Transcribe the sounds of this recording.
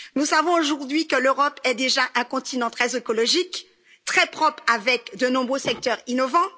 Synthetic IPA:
nusavɔ̃oʒuʁd̪ɥikəløʁɔpɛd̪eʒaʔɛ̃kɔ̃t̪inɑ̃t̪χɛzekɔlɔʒik | t̪χɛpχɔpχavɛkd̪ənɔ̃bʁøsɛk̚t̪œʁinɔvɑ̃

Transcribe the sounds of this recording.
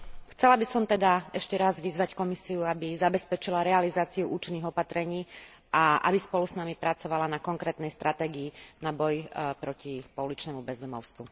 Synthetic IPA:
xt͡sɛlabisɔmt̪ɛd̪aɛʃcɛɾazʋizʋackɔmisiuabizabɛspɛt͡ʃilaɾɛalizaːt͡siuʔuːt͡ʃinːiɣɔpat̪ɾɛɲiː | aʔa̰bispɔlusnamipɾat͡sɔʋalanakɔŋkɾɛːt̪nɛjst̪ɾʔat̪ɛːɡiːnabɔjpɾɔcipɔulit͡ʃnɛmubɛzd̪ɔmɔ̰ʊst̪ʋu

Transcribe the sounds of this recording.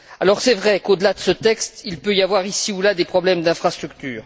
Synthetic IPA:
alɔʁsɛvʁɛkod̪əlad̪əsət̪ɛkst̪ilpøijavwaʁisiulad̪epχɔblɛmd̪ɛ̃fχast̪χyk̚t̪yːʁ

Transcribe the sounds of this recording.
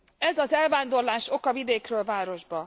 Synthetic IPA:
ɛzɒzɛlvaːnd̪o̞rlaːʃo̞kɒvid̪eːkrøːlvaːɾo̞ʒbɒ

